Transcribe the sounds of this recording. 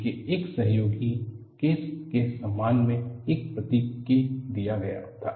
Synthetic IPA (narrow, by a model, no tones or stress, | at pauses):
keeːksɐɦjoːɡi | keːskesɐmːaːnmẽek̚pɾɐt̪iid̪ijaɡɐja̰ɦot̪ʰaː